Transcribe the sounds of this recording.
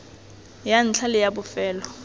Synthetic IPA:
jan̩t͡ɬʰalɪjabʊfɛːlɔ

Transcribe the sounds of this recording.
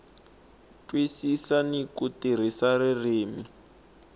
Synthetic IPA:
twisisanikutir̤isaɾireːmi

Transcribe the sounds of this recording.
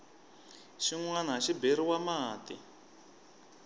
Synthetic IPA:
ʃiŋwanɦaʃibeɾiwamaːtḭ

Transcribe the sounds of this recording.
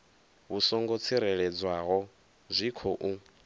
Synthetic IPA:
βusɔŋɡot͡sʰiɾɛɺɛd͡zwaɣɔ | zʷikʰɔʔu

